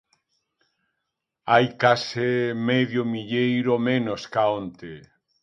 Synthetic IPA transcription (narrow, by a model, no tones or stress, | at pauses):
ajkasemeðjʊmiʎejɾomẽnoskaõnt̪e